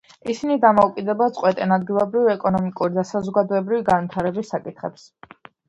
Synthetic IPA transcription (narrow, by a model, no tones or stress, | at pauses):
isinid̪amɔukʼid̪ɛbat̪sʼqʼwɛt̪ʼɛnad̪̚ɡilˠɔbɾivɛkʼɔnɔmikʼuɾid̪asazɔɡad̪ɔɛbɾiviɡanvwit̪ʰaɾɛbisːakʼit̪ʰχɛ̰ps